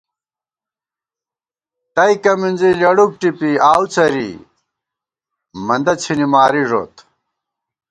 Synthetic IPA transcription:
t̪ɐjkɐminzilɐɽuk̚ʈipiaːwt͡sɐɾḭ | mɐnd̪ɐt͡ɕʰinimaːɾiʐo̰ːt̪

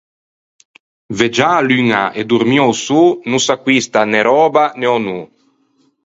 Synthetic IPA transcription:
ved͡ʒalyŋaʔed̪uɾmjɔwsuːnusakwist̪aneɾɔːbaneɔnu

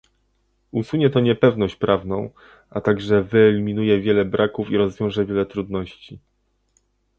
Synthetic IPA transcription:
usuɲɛt̪ɔɲɛpɛvnɔɕt͡ɕpɾavnɔ̃w̃ | at̪aɡʐɛvɘɛlʲimʲinujɛvʲjɛlɛbɾakufiɾɔzvʲjɔ̃w̃ʐɛvʲjɛlɛt̪ɾud̪nɔɕt͡ɕi

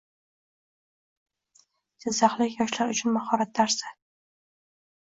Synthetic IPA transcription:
d͡ʒɪzːaχlɪkʲjɒʃlaɾʊt͡ʃʰʊnmaχɒɾat̪̚d̪aɾsa

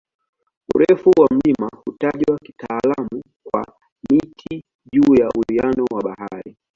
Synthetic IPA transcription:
ṵɾɛfuwam̩limahutaʄwaki̥taːlamu | kwa̰ | mitʰi | ʄuːjaʔulianɔwaɓahaɾi

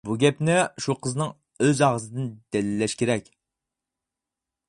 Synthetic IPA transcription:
buɡʲɛpnɪʃuqʰəzɨnɨŋ | øzɑʁəzɨd̪ɨnd̪ɛlɪlːɛʃkʲeɾɛkʲ

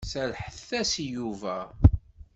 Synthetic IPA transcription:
sælħəθːæsjuvæ

